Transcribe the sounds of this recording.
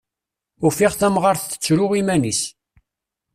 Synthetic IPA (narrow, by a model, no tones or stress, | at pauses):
ʊfiʁθæmʁaɾθθə̥t͡sːɾʊʁimænis